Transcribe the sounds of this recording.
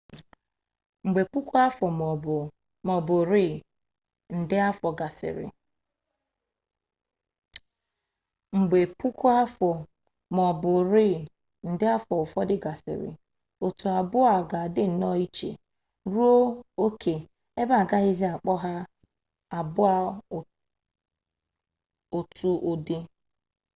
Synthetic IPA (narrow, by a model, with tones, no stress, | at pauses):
ŋ͡m̩˨ɡ͡be˨k͡pu˦kʷu˦a˦fɔ˨m˨ | mɔ˨bʊ˨ɾi˦˨ | n̩˨dɪ˦a˦fɔ˨ɡa˨sɪ̰˨ɾɪ̰˨ | ŋ͡m̩˨ɡ͡be˨pu˦ku˦a˦fɔ˨ | m˨ɔ˨bʊ˨ɾi˦˨ | n̩˨dɪ˦a˦fɔ˨ʊ˨fɔ˦dɪ˦ɡa˨sɪ̰˨ɾɪ̰˨ | o˨tu˨a˨bʊ˦a˨ɡa˨dɪ˦n̩˨nɔ˦i˦t͡ʃḛ˨ | ɾu˦o˦o˦kʰe˨ | e˦ba˦a˨ɡa˦ɦɪ˦zi˦a˨k͡pɔ˦ɦa˦ | a˨bʊ˦a˦ | o˨tu˦ʔo˦di˦